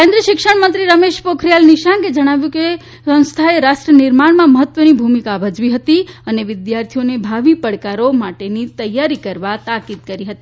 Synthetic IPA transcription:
kẽnd̪ɾiəʃɪkʃəɳmənt̪ɾiɾəmeʃpokʰɾijalniʃaŋɡed͡ʒəɽ̃aʋjũke | sə̃w̃st̪ʰaeɾaʃʈɾənɪɾmaɳ̃mãməɦət̪ːʋənibʱumikabʱəd͡ʒʋiɦət̪iəneʋɪd̪jaɾt̪ʰijonebʱaʋipəɽkaɾomaʈenit̪əjːaɾikəɾʋat̪akid̪̚kəɾiɦət̪i

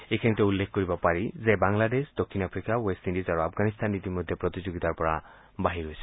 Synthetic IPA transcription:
ekʰɛŋtɛulːekʰkɔɹibapaɹizɛbaŋladesdɔkʰinapʰɹikawestindizaɹuap̚ʰɡanistʰanːitimɔdʱjepɹɔtizuɡitaɹpɔɹa | baɦiɾɦojsɛ̥

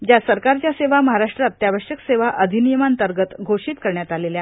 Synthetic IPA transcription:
d͡ʑjasəɾkaɾt͡ɕjaseʋaməɦaɾaʂʈɾat̪ːjaʋəɕjəkseʋaʔəd̪ʱinijəmant̪əɾɡət̪ɡʱoʂiːt̪kəɾɳjat̪alelja

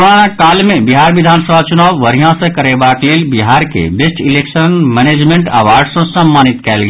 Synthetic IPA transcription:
ɾonakaːlmẽbiɦaːɾʋid̪ʱaːnsəbʱat͡ʃʊnaːwʋəɾijãsə̃kɐɾebakleːlbiɦaːɾkḛbesʈileːkʃənmɛneːd͡ʒmẽɳʈɐ̰ʋaːɾɖsə̃səmːaːnit̪kɛːlɡ

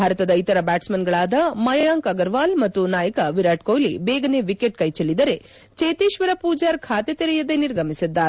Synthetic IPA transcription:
bʱaːɾɐt̪ɐd̪ɐit̪ɐɾɐbaːʈsmɐnɡɐɭaːd̪ɐmɐjɐjaːŋkɐɡɐɾʋaːlmɐt̪ːunaːjɐkɐʋiɾaːʈkoːjlḭbɛːɡɐne̞ʋikeʈ̚kɐjt͡ʃelːid̪ɐɾe̞ | t͡ʃeːt̪iːʃʋɐɾɐpuːd͡ʒaːɾkʰaːt̪et̪iɾɛjɐd̪eniɾɡʱɐmisid̪ːaːɾe

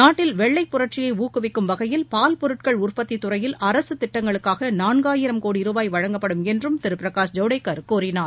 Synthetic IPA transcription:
naːʈːɪlʋɛɭːɐɪpːʊɾɐʈ̚t͡ʃɪjɐɪuːkːɯʋɪkːɯmʋɐɣɐjɪlpaːlpɔɾɯʈ̚kɐɭʊrpɐt̪ːit̪ːʊɾɐjɪlʔɐɾɐsɯt̪ɪʈːɐŋɡɐɭɯkːaːɣɐnaːnɡaːjɪɾɐmkoːɽiɾɯʋaːjʋɐɻɐŋɡɐpːɐɽɯmɛndrɯmt̪ɪɾɯpɾɐkaːʂd͡ʒɐʊɽɐɪkːɐɾkuːɾɪnaːɾ

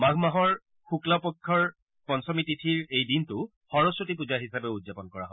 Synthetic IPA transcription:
maɡʱmaɦɔɹ | xuklapɔkʰːɔɹ | pɔnsɔmititʰiɹejdintʊ | xɔɹɔsɹotip̬uzaɹɦisabɛudzapɔnkɔɹa̰ɦɔ

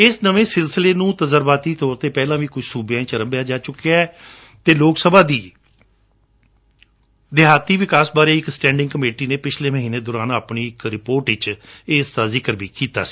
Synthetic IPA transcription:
ɪsnəʋẽːsɪlsɪleːnũːt̪əzəɾbaːt̪iːt̪ʰɔːɾt̪eːpɛːlãːʋiːkʊt͡ʃʰsuːbjãːt͡ʃəɾəmbejaːd͡ʒaːt͡ʃʊkːeaɛː | t̪eːloːksəbaːd̪iː | d̪ɪɦaːt̪iːʋɪkaːsbaːɾeːɪksʈɛ̃ːɳɖɪŋɡkəmeːʈiːneːpɪt͡ʃʰleːməɦiːneːd̪ɔːɾaːnaːpniːɪkɾɪpoːɾʈɪt͡ʃɪːsd̪aːzɪkəɾbiːkiːt̪a̰ːsi̥ː

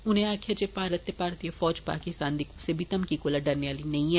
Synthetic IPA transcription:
ʊnẽaːkʰad͡ʒepaːɾət̪jəpaːɾt̪ijofɔːd͡ʒpa̰ːkɪst̪aːnd̪iksebʱit̪ɐmkikoːlaɖɐɾnejaːlinɐĩɦɛ

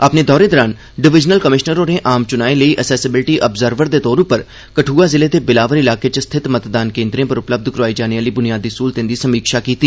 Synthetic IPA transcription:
ɐpned̪ɔːɾed̪ɔːɾaːn | ɖɪʋɪd͡ʒnəlkəmɪʃnəɾõneʔaːmt͡ʃʊnaːeləiʔəsɛːsɪbɪlʈiʔəbzəɾʋəɾd̪et̪ɔːɾõpɐɾ | kɐʈʰuːazɪled̪ebɪlaːʋəɾɪlaːket͡ʃəst̪ʰɪt̪mət̪d̪aːnkẽːnd̪ɾẽpɐɾʊpləb̚d̪ʱkɾaːid͡ʒaːneʋaːlibʊnijaːd̪iskuːlt̪ẽnd̪isɐmiːkʃakiːt̪iː

